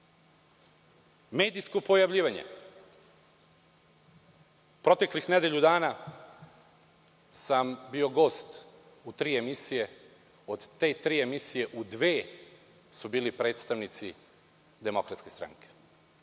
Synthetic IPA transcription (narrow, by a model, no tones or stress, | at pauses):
me̞ːd̪ijsko̞po̞jaʋʎʲiːʋaɲe̞̰ | pɾo̞t̪e̞klixned̪eʎud̪aːna | sambio̞ɡo̞ːst̪ | ut̪ɾiːemisije̞ | o̞d̪t̪e̞t̪ɾiːe̞misije̞ʔud̪ʋe̞ː | subiːlipɾe̞ːt̪st̪aʋnit̪si | d̪e̞mo̞kɾat̪ske̞st̪ɾa̰ŋke̥